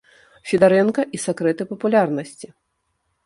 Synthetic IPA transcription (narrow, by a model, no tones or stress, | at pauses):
fʲid̪aɾɛnkɐʔisakɾɛt̪ɨpɐpulʲarnɐsʲt͡sʲi